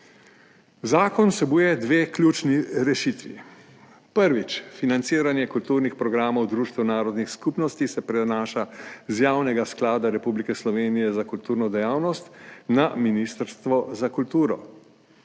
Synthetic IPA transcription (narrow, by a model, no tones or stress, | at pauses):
zaːkɔnsɛbuːjɛd̪ʋeːklʲjuːt͡ʃniɾɛʃit̪ʋḭ | pəɾʋit͡ʃfinant̪siːɾanjɛkult̪uːɾnixpɾɔɡɾaːmɔwd̪ɾuːʃt̪ɛwnaːɾɔd̪nixskupnɔst̪isɛpɾɛnaːʃazjaːwnɛɡasklaːd̪aɾɛpublikɛslɔʋeːnijɛzakult̪uːɾnɔd̪ɛjaːwnɔst̪naminist̪əɾst̪ʋɔzakult̪uːɾɔ̰